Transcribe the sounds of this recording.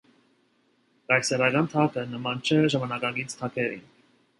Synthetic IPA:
kɑjsɛɾɑɡɑnt̪ʰɑkənəmɑnt͡ʃʰɛʒɑmɑnɑkɑɡit͡sʰt̪ʰɑkʰɛɾḭn

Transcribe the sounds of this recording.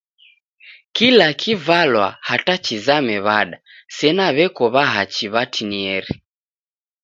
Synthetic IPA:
kilakʰivalwa̰hatat͡ʃizamɛβaɗa | sɛnaβɛkɔβaɦat͡ʃiβatʰiniɛɾi

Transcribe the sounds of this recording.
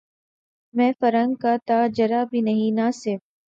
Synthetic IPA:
mɛ̃ːfɐɾə̃ŋɡkat̪aːd͡ʒɐɾaːbʱinɐɦĩnaːsɪɾf

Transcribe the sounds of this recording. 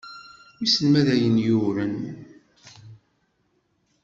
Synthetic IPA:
isəlmæðæjənjuɾæn

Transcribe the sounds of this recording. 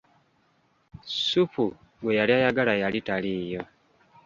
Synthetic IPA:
sufu | ɡwejaliajaɡalajalitaliːjo̞

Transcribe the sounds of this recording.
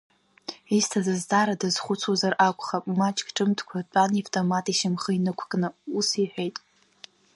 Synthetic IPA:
istʰazazdaːɾadɨz̥χʷʊt͡sʰuzarʔakʷʰʼχapʼmat͡ʃʼkʼʈ͡ʂʼɨmtʰkʷʰat͡pʷʼanivtʼomatʼiʃɪmχəinɨkʷʰkʼnɨusiħʷᶣejtʼ

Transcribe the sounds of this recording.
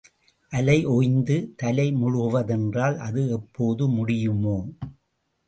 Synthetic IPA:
ʔɐlɐɪʔɔjnd̪ɯt̪ɐlɐɪmʊɻʊʋɐðɛndraːlʔɐðɯɛpːoːðɯmʊɽɪjɯmoː

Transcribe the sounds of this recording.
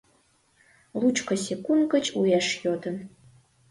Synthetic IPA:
lut͡ʃʰʼkʷʰɐsekʷunkʼɐt͡ʃʼujaʂjodɐn

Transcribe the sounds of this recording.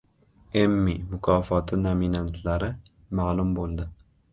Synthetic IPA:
emːimʊkʰɑfɒt̪ʰɪnominant̪ʰlaɾɪ | maʕlˠumbolˠd̪ɪ

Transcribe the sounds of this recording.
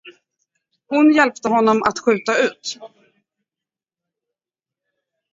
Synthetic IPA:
hʊnjɛlpt̪əɦɔnːɔmʔa̰t̪ɧʉ̟ːt̪aʉ̟ːt̪

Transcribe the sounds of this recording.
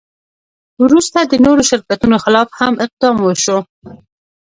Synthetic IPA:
wɾust̪ad̪ənoɾoʃɪɾkat̪unoxɪlɑfhamɪq̚d̪ɑmwəʃo

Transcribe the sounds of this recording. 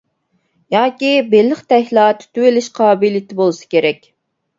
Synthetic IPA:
jɑːkʲibelːɪχt̪ɛhʲlˠɑt̪ʰy̥t̪ywɪlɪʃqʰɑbilit̪ʰɪbolˠɨsɨ̥kʲeɾɛkʲ

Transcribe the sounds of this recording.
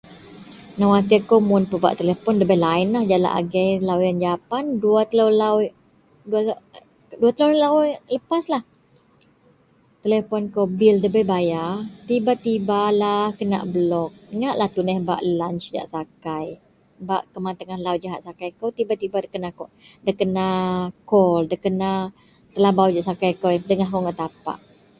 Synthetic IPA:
nawat̪̬ikowmʊnpəba̰ʔt̪əlefɔndəbəlaɪnlahd͡ʒala̰ʔa̰ɡɛjlawjand͡ʒapanduat̪əlawlaw | dua | duat̪əlolawləpaslah | t̪əlefɔnkobildəbəjbajat̪ibat̪ibalahkəna̰ʔblɔk̚ŋaʔlaht̪unɛhba̰ʔlant͡ʃd͡ʒa̰ʔsakaj | baʔkəmant̪əŋahlawd͡ʒaɦat̪̚sakajkot̪ibat̪ibakəna | dəkənakɔldəkəna | t̪əlabawd͡ʒaʔsakajkɔdəŋahkoŋɡaʔt̪apa̰ʔ

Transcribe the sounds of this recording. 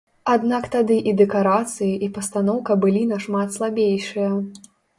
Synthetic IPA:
ad̪nakt̪ad̪ɨʔid̪ɛkaɾat̪sɨjiʔipɐst̪anɔwkɐbɨlʲinɐʂmat̪slˠabʲejʂɨjɐ

